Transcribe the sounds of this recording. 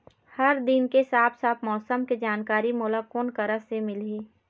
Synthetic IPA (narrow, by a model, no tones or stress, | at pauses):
hɐɾd̪ɪnkesaːpsaːpʰmɔːsəmked͡ʒaːnkaːɾimʊːlakoːnkɐɾasemɪleː